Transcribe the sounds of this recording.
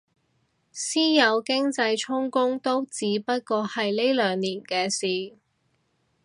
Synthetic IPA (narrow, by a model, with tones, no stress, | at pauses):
siː˥jɐ˨˧wkɪ˥ŋt͡sɐ˧jt͡ʃʰʊ˥ŋkʊ˥ŋt̪o˥wt͡siː˨˧pɐ˥t̚kɔː˧hɐ˨jle˥jlœː˨˧ŋniː˨˩nkɛː˧siː˨